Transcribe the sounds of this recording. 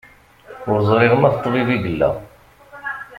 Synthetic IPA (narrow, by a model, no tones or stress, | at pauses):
ʊɾzˤɾɪʁəmæθt̪ˤːviviɡəlːæ̰